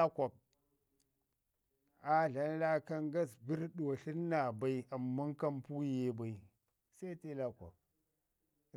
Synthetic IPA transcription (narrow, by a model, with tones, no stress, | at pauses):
a˦kʷa˨k̚ | a˨ɮa˨nla˦ka˦ŋɡa˦sbi˦ɾɗu˨a˨ɬi˦n˦na˨ba˨˦i˦a˨mːu˦ŋka˦mpu˦je˦ba˨i˨ | sa˦i˦ti˦la˦kʷa̰˨k̚